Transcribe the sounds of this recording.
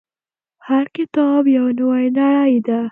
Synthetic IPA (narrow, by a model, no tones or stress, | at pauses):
haɾkɪt̪ɑbjawnwajnaajid̪a